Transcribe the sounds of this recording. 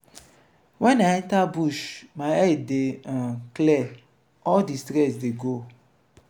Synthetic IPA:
wɛ̃naɛ̃tabuʃmaɛdeãklɛ | ɔldistɾɛsdeɡo

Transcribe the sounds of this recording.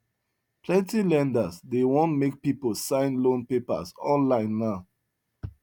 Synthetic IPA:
pʰlɛ̃ntilɛ̃ndəsdewɔ̃ntmek̚pipolsãɪ̃nlõnpepə̰sɔ̃nlãɪ̃nːaʊ

